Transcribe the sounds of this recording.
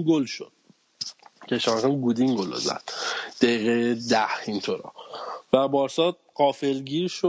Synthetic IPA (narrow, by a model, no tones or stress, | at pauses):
ɡolʃo̰d̪̥ | cʰeʃɑːxænɡud̪iŋɡolo̰zæ̰d̪̥d̪̥æjiːɣejed̪æhint̪ʰoɾɒ̰væbɒːɾsɒːd̪̚ | ɢɒːfelɟiːɾʃo